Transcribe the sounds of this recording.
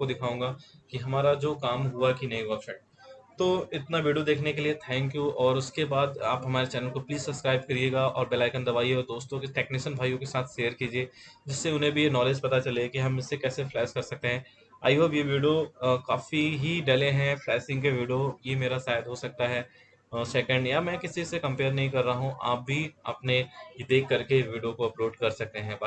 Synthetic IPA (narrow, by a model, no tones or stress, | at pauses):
kod̪ɪkʰaːũːŋɡaːkiɦɐmaːɾad͡ʒoːkaːmɦuakinɐĩʋɔːkʃə̃ɳ | t̪oːɪt̪naʋiːɖijod̪eːkʰnekeliet̪ʰɛ̃ːŋkjuʔɔːɾʊskebaːd̪aːpɦɐmaːɾet͡ʃɛːnəlkopliːzsɐbskɾaːɪb̚kɐɾieːɡaɔ̰ːɾbɛːlaːɪkə̃nd̪ɐbaːieod̪oːst̪õkeʈeːknɪʃənbʱaːjõkesaːt̪ʰʃeːəɾkiːd͡ʒieːd͡ʒɪsːeʊnɦẽbʱijenɔːleːd͡ʒpɐt̪at͡ʃɐlekiɦɐmɪsːekɛːseflɛːskɐɾsɐk̚t̪eɦɛ̃ː | a̰ːjɐʋjeʋiːɖijokaːfiɦiɖeleɦɛ̃flɛːsɪ̃ŋɡkeʋiːɖijojemeːɾasaːjəd̪ɦosɐk̚t̪aɦɛ | sɛːkə̃ɳɖjamɛ̃kɪsisekɐ̃mpeːɾnɐɦĩkɐɾːɐaːɦũʔa̰ːp̚bʱiɐ̰pned̪eːkːɐɾkeʋiːɖijokoɐpɾoːt͡ʃkɐɾsɐk̚t̪eɦɛ̃ba